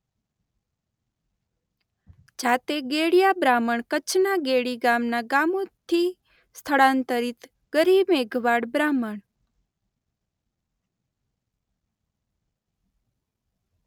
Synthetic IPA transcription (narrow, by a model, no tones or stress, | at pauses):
d͡ʒat̪eɡeɽjabɾaməɳkət͡ʃʰnaɡeɽiɡamnaɡamõt̪ʰi | st̪ʰəɭãnt̪əɾit̪ | ɡ̥əɾibeɡʱʋaɽbɾaməɳ